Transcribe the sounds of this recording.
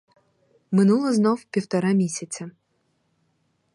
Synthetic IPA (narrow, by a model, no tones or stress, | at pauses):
mʲɪnulˠəznofpʲɪft̪ɐɾamʲesʲɪt̪sʲə